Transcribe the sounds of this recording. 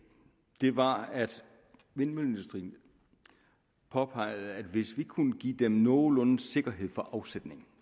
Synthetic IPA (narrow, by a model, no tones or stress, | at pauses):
d̥e̝ʋɑ̈æd̥ | ʋe̝nmøle̝nd̥usd̥ʁḭːn | pʰɒ̽pʰɑ̈ɪ̰ð̩ˠæd̥ʋe̝sʋikʰunəɡ̥ḭːd̥emnɔːlɔ̽nn̩se̝ɡ̥ɐɦe̝ð̞̰ˠfɒʔɑ̈ʊsed̥ne̝ŋ̩